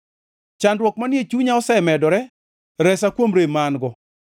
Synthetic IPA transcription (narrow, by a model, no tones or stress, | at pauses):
t͡ʃandwɔk̚manɪet͡ʃuɲaɔsɛmɛdɔɾɛ | ɾɛsakwomɾemanɡɔ